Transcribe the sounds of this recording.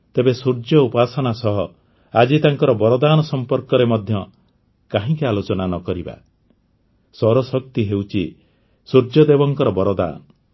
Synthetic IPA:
t̪ebesuɾd͡ʒɔupasɔnasɔɦɔ | ad͡ʒit̪aŋkɔɾɔbɔɾɔd̪aːnɔsɔmpɔɾkɔɾemɔd̪ʱjɔ | kaɦĩkialot͡ʃɔnanɔkɔɾiba̰ | sɔɾɔsɔk̚t̪iɦewt͡ʃʰi | suɾd͡ʒjɔd̪ebɔŋkɔɾɔbɔɾɔd̪a̰ːnɔ

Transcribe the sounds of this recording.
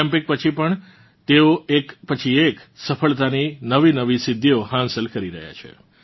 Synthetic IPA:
ɛ̃mpɪk̚pət͡ʃʰipəɳ | t̪eoekpət͡ʃʰieksəpʰəɭt̪aninəʋinəʋisɪd̪ʱːiohãnsəlkəɾiɾə̰ɦja̰t͡ʃʰḛ

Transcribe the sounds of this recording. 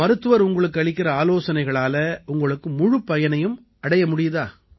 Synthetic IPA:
ɐɾɯt̪ːɯʋɐɾʊŋɡɐɭɯkːɯɐɭɪkːɪɾɐaːloːsɐnɐɪɣɐɭaːlɐʔʊŋɡɐɭɯkːɯmʊɻʊpːɐjɐnɐjɯm | ɐɽɐjɐmʊɽɪjɐðaː

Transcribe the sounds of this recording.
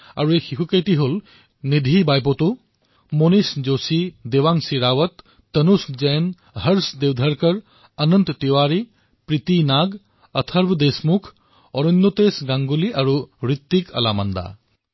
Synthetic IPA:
a̰ɾuexʰikʰukəjt̪iɦul | nid̪ʱibajp̬ot̪u | monisd͡ʒosid̪ewaŋsiɾawɐt̪ː | ənusd͡ʒen | ɦɐɾsd̪ewd̪ʱɐɾkəɾ | ɐnənt̪t̪iwaɾi | pɾit̪inaɡ | ɐt̪ʰɐɾbʱd̪esmukʰ | ɔɾɔnd̪ot̪esɡaŋɡuliʔaɾuɾit̪ːikʰɐ̰lamɐnd̪a̰

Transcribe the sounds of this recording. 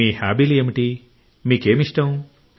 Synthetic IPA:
iːhaːbiliemiʈi | miːke̞ːmiʂʈɐm

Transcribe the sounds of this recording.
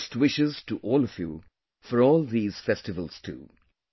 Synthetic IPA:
stwɪʃɪztuʔɔːlɔvjṵ | fəɾɔːlˠðiːz̥fɛstɪvəl̩ˠz̥tʰṵː

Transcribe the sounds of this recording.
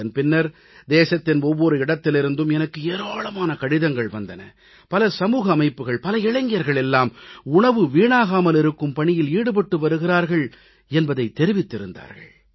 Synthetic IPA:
ɐnpɪnːɐɾ | d̪eːsɐt̪ːɪnɔʋːɔɾɯɪɽɐt̪ːɪlɪɾɯnd̪ɯmɛnɐkːɯeːɾaːɭɐmaːnɐkɐɽɪðɐŋɡɐɭʋɐnd̪ɐnɐ̰ | pɐlɐsɐmuːɣɐːmɐɪpːɯɣɐɭpɐlɐɪɻɐŋɡɪjɐɾɣɐɭɛlːaːmʊɳɐʋɯʋiːɳaːɣaːmɐlɪɾɯkːɯmpɐɳɪjɪliːɽɯp̬ɐʈːɯʋɐɾɯɣɪraːɾɣɐɭ | ɛnbɐðɐɪt̪ːɛɾɪʋɪt̪ːɪɾɯnd̪a̰ːɾɣɐ̰ɭ

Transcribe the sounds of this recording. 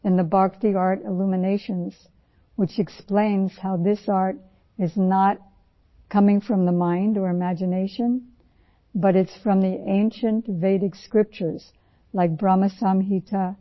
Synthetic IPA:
ɨ̃nðɨbɑɹktiɑɹɾɪlumɨneɪʃɨ̃nz̥ | wɨt͡ʃɨksplẽɪ̃nz̥haʊðɪsɑɹɾ | ɨznət̚ | kʰʌmɪ̃ŋfɹʌ̃mðəmãɪ̃ndə˞ɨmæd͡ʒɨneɪʃɨ̃n | bʌɾɨtsfɹʌ̃mðiʔẽɪ̃nʃɨ̃ntveɪɾɨɡskɹɪp̚t͡ʃə˞z̥ | laɪk̚b̥ɹɑmɨsɑmɦiɾʰə

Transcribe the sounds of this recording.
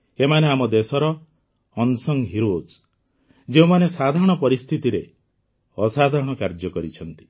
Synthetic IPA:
emaneamɔd̪esɔɾɔ | ɔnsɔŋɦiɾos | d͡ʒeumanesad̪ʱaɾɔɽ̃ɔpɔɾist̪ʰit̪iɾe | ɔsad̪ʱaɾɔɽ̃ɔkaɾd͡ʒɔkɔɾit͡ʃʰɔnt̪i̥

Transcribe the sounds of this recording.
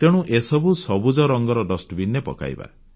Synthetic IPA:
t̪eɽ̃ũʔesɔbusɔbud͡ʒɔɾɔŋɡɔɾɔdɔsʈbinepɔ̰ka̰j̰ba̰

